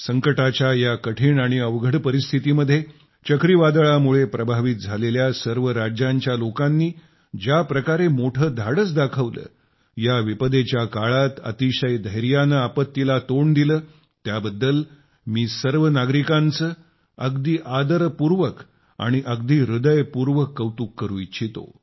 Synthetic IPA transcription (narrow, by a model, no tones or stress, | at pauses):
səŋkəʈat͡ɕjajakəʈʰiːɳaɽ̃iəʋɡʱəɽpəɾist̪ʰit̪iməd̪ʱːje | t͡ɕəkɾiʋad̪ɭamuɭepɾəbʱaʋit̪̚d͡zʱaleljasəɾʋəɾad͡ʑjaɲt͡ɕjalokãnːiː | d͡ʑapɾəkaɾemoʈʰəːd̪ʱaɽət͡sd̪akʰəʋlə̰ː | jaʋipəd̪et͡ɕjakaɭat̪ə̰t̪iɕəjd̪əjɾjanəːpət̪ːilat̪oɳd̪iləː | t̪jabəd̪ːəl | miːsəɾʋənaɡɾikãnt͡səː | əɡd̪iːʔad̪əɾpuɾʋək | a̰ɽ̃iʔəɡd̪iːɾud̪əjpuɾʋəkːəʋt̪uːkːəɾuːjit͡ɕʰit̪o̰